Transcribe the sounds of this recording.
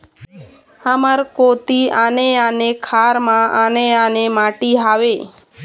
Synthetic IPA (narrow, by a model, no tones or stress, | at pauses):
aməɾkot̪ianeanekʰaːɾmãʔaneanemaːʈiɦaʋe